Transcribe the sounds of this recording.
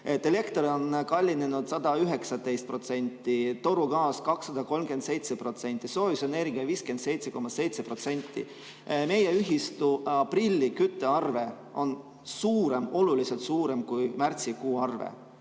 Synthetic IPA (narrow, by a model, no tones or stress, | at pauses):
et̪ːele̞kt̪oɾo̞nkɑlʲːine̞nud̪̥sɑd̪̥ɑyɦe̞ksɑt̪e̞jst̪pro̞t̪se̞nʲt̪ːˑit̪o̞ɾuɡɑːskɑksːɑd̪̥ɑko̞lmɡ̥e̞nd̪se̞jt̪sepro̞t̪se̞nʲt̪ːˑiso̞ːviseneɾiɡ̥ɑviːske̞nd̪̥se̞jt̪se̞ko̞mːɑse̞jt̪se̞pro̞t̪se̞nʲt̪ˑːḭ | me̞jeyɦist̪uɑprilʲːikyt̪ˑːe̞ɑrve̞ | o̞n | suːɾe̞mo̞lulise̞lt̪suːɾe̞mkujmært̪sikuːɑrvḛ